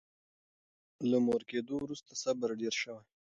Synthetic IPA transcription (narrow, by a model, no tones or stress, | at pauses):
lamoɾked̪owɾust̪asabaɾɖeɾʃəwaj